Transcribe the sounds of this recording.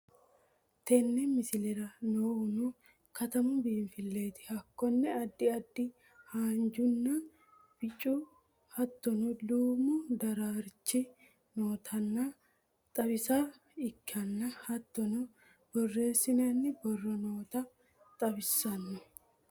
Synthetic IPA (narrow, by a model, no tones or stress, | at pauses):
t̪ɛnːɛmɪsɪlɛɾɐnoːhʊnu | kɐt̪ɐmʊbiːnfɪlːe̞ːt̪ɪ̥hɐkːɔnːɛɐd̪ːɪɐd̪ːɪ | haːnd͡ʒʊnːɐ | b̥ɪt͡ʃʼːu | hɐt̪ːɔnɔluːmʊd̪ɐɾaːɾt͡ʃːɪ | noːt̪ʰɐnːɐ | t̪ʼɐbɪsa | ɪkːɐnːɐhɐt̪ːɔnɔ | b̥ɔrːe̞ːsːɪnɐnːɪbɔrːɔnoːt̪ɐ | t̪ʼɐbɪsːɐnːɔ